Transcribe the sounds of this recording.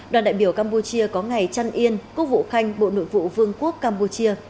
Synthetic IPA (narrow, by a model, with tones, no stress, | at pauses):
ɗwa˨˩nɗa̰ː˧˨jɓi˧˩əwkaː˧mpu˧t͡ɕi˧əkɔ˨˦ŋa˨˩jt͡ɕa˧nʔi˧ənku˦˥vṵ˧˨xa˧jŋ̟ɓo̰˧˨no̰˧˨jvṵ˧˨vɨ˧əŋku˦˥əkːaː˧mpu˧t͡ɕi˧ə